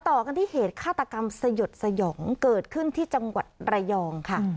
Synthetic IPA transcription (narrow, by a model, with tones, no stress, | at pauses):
t̪ɔː˨˩ka˧nt̪ʰiː˥˩heː˨˩˦t̪̚kʰaː˥˩t̪ːa˧ka˧msa˧jo˨˩t̪̚sa˧jɔː˩˦ŋkɤː˨˩t̪̚kʰɯ˥˩nt̪ʰiː˥˩t͡ɕa˧ŋwa̰˨˩t̪̚ɾa˧jɔː˧ŋkʰa˥˩